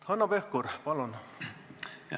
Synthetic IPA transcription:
hɑnːɑpehkuɾpɑlon

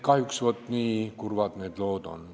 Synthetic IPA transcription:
kɑhjuksvot̪ˑːniːkurvɑd̪neːd̪lo̞ːd̪o̰n

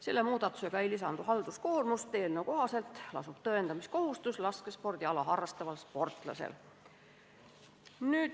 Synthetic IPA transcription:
se̞̰lːemuːd̪̥ɑt̪ːˑu̥se̞ɡ̥ɑe̞jlisɑnd̪̥uɦɑld̪̥uskoːrmust̪ːe̞ːlnewko̞ɦɑse̞lt̪ˑlɑ̰sub̥̚t̪ɤend̪ɑmisko̞hust̪uslɑskespo̞rd̪̥iɑlɑɦɑrːɑst̪ɑvɑlspo̞rt̪ˑlɑ̰sḛl | nyːd̪

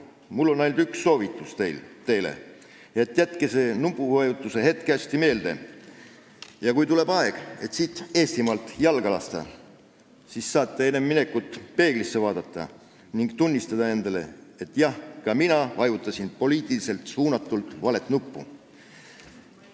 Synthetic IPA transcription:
mulːo̞nɑjld̪yksːo̞ːvit̪ːˑust̪e̞jlt̪e̞jlḛ | jɑe̞t̪ːˑjæt̪ke̞se̞nupˑːuvɑjut̪ːˑuse̞ɦe̞t̪̚keæsʲt̪ime̞ːld̪̥e̞̰ | jɑkujt̪ule̞bɑeɡ̥e̞t̪siːt̪ːˑe̞ːst̪imɑlt̪ˑjɑlɡ̥ɑlɑst̪ɑ̰ | sisːɑːt̪ːe̞enemːine̞kːˑut̪ˑːpe̞ːɡ̥lisːevɑːd̪̥ɑt̪ːɑ̰ | niŋɡ̥t̪unʲːist̪ɑd̪̥ɑe̞nd̪ɑle̞̰e̞t̪ːˑjɑhkɑminɑvɑjut̪ːˑɑsinpo̞liːt̪ˑilise̞lt̪suːnɑt̪ːˑult̪ˑvɑle̞t̪ˑnupːṵ

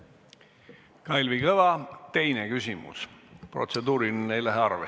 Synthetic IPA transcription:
kɑjlvikɤvɑt̪e̞jnekysʲimṵspro̞̰t̪se̞d̪uːɾinnejlæɦeɑrve

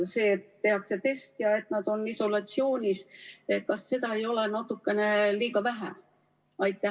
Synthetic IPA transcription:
se̞ːt̪ːe̞hɑkse̞t̪e̞st̪jɑe̞t̪nɑd̪̥o̞niso̞lɑt̪sio̞ːnʲiset̪̚kɑsːe̞d̪ɑe̞jo̞lenɑt̪ːˑukːe̞ne̞liːɡɑvæɦæ̰ | ɑjt̪ːˑæ

